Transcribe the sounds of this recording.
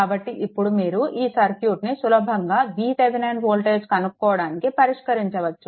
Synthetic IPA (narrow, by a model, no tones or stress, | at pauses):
kaːbɐʈːiʔipːuɽumiːɾuʔiːsɐɾpʰjuːʈnisulɐbʱɐŋɡaːʋiːseʋinɐjnʋoːlʈeːskɐnukkːɔːɐɽaːnikipɐɾiʂkɐɾiɲt͡ʃɐʋɐt͡ʃːu